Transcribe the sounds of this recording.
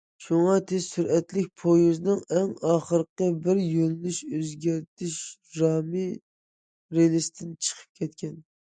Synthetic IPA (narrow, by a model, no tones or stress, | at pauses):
ʃuŋɑt̪ʰessyɾɛt̪lɪk̚ʲpʰojuznɨŋɛŋɑːχəɾəqəbɪɾjøllyʃøzɡʲæɾt̪ʰɪʃ | ɾɑːmɨ | ɾelɪst̪ʰɪnt͡ʃʰə̥qʰə̥p̚kʲʰɛt̪kʲɛn